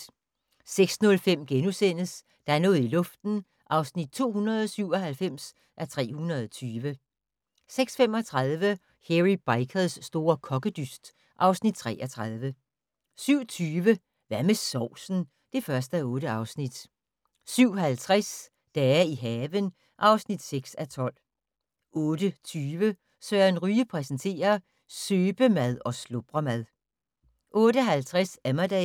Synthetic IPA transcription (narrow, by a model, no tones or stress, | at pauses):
seɡ̥snɔ̽lfem̰ɡ̥enusen̰əs | d̥ɑ̈æɐnɔ̽ːð̩ˠilɔ̽fd̥n̩ | ʔɑ̈ʊsnid̥̚t͡sʰo̝̰ːhunʁɐð̞̩ˠɒsyʊ̰ɒ̽ɦælfem̰s | ʔæt͡sʰʁɛ̰ːhunɐðˠɒt͡sʰyːʋə | seɡ̥sfemɒ̽t͡sʰʁɑðˠʋə | heʁib̥ɑ̈ɪkʰəðˠsːd̥o̝ːɐkʰɒ̽ɡ̥əd̥ysd̥ | ʔɑ̈ʊsnid̥̚t͡sʰʁɛ̰ːʔɐt͡sʰʁɑð̞ˠʋə | syʊ̰t͡sʰyːʋə | ʋæmesɒʊ̰sn̩ | d̥e̝fɶɐsd̥əæɔ̽ːɾəɑ̈ʊsnid̥ | syʊ̰hælt͡sʰʁas | d̥ææɐiɦɛːʋən | ʔɑ̈ʊsnid̥seɡ̥sæt͡sʰɒ̽l̰ | ɔ̽ːd̥ət͡sʰyːʋə | søːɐenʁyːəpʰʁɛsənt͡sʰe̝̰ːɐ | søːb̥əmæð̞ˠɒ̽slob̥ʁɐmæðˠ | ʔɔ̽ːɾəɦælt͡sʰʁasæmɐd̥ɛ